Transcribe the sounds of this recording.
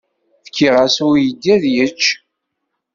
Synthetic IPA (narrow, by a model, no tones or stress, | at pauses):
fkʰːiʁasujəd̪ːæðjət͡ʃː